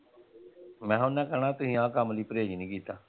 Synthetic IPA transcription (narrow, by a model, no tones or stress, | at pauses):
mɛ̃ːɦʊnːɛ̃ːkəɾɳaːt̪ʊɦĩːãːkamliːpəɾeːd͡ʒnĩːkiːt̪aː